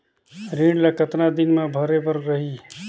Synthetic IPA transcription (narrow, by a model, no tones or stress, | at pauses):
ɾĩɖlakət̪nad̪ɪnmãbʱəɾebəɾɾəɦi